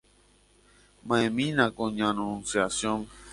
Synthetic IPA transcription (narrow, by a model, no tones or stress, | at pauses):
mãẽmĩnãkõɲãnũnsjasjõn